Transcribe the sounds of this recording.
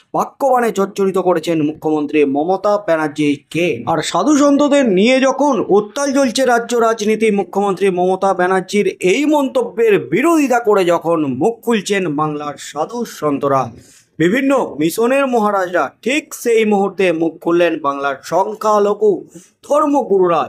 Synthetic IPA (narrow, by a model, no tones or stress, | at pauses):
b̥akːobanet͡ɕɔɾt͡ɕoɾit̪okoɾet͡ɕʰenmukʰːomont̪ɾimɔmot̪abɛnaɾd͡ʑiɾkeaɾʃad̪ʱuʃɔnt̪od̪eɾnijed͡ʑɔkʰonut̪ːalt͡ɕolt͡ɕʰeɾadːoɾad͡ʑnit̪imukʰːomont̪ɾimɔmot̪abɛnaɾd͡ʑiɾejmɔnt̪obːeɾbiɾod̪ʱit̪akoɾed͡ʑɔkʰonmuk̚kːult͡ɕʰenbaŋlaɾʃad̪ʱuʃɔnt̪oɾa | bibʱinːomiʃoneɾmoɦaɾad͡ʑɾaʈʰikʃejmuɦuɾt̪emuk̚kʰːulːenbaŋlaɾʃɔŋkʰaloku | d̪ʱɔɾmokuɾuɾa